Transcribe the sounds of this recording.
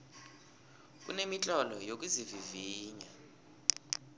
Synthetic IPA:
k̬ʼṵnemit͡ɬʼɔlɔjok̬ʼuziviviːɲa

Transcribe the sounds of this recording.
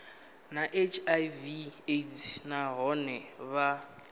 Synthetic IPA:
naʔet͡ʃʰʼajvietʰnaɣɔnɛβa

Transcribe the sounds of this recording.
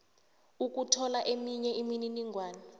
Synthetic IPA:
uk̬ʼutʰɔlaʔemiɲɛʔimininiŋʱwaːni

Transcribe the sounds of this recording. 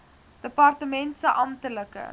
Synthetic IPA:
d̥əpɐrtəmɛntsəʔɐmtələkə̰

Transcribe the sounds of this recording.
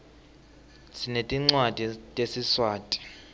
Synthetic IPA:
sinetʼiŋ͡ǀwad̥ʱitʼesiswaːtʼi̥

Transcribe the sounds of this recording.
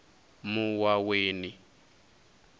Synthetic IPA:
muwaweːni

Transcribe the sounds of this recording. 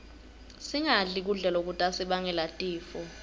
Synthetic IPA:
siŋaɮik̬uɮɛlok̬utʼasiɓaŋɛlatʼiːfɔ

